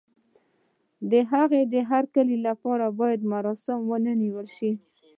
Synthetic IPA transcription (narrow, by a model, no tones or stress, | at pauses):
d̪əɦaɣed̪əɦaɾkəlilapɑɾabɑjad̪maɾɑsɪmwənəniwəlʃi